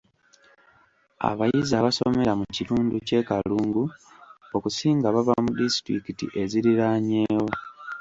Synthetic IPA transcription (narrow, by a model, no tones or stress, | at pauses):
a̰βajizaβasome̞ɾamuciluːnduce̞kaluːŋɡuo̞kusiːŋɡaβaβamudisi̥tɾikitḭʔe̞ziɾiɾaɲe̞ːwo̞